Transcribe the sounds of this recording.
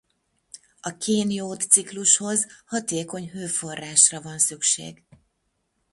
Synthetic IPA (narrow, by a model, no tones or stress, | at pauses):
ɒkʰeːnjoːt̪sikluʃho̞zhɒt̪eːko̞ɲɦøːfo̞rːaːʃrɒvɒnsykʃḛːɡ